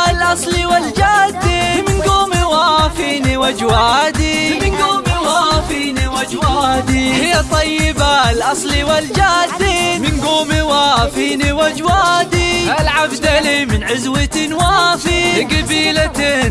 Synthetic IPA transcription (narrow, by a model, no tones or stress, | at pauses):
lʔɑsˤliwald͡ʒaːd̪ːimɪnɡuːmiwaːfiːniwad͡ʒwaːd̪imɪnɡuːmiwaːfiːniwad͡ʒwaːd̪ihɪjːat̪ˤːɑjːɪbalʔɑsˤliwald͡ʒaːd̪ːimɪnɡuːmiwaːfiːniwad͡ʒwaːd̪ialʕabd̪alimɪnʕʊzwɪt̪ɪnwaːfiɪɡabiːla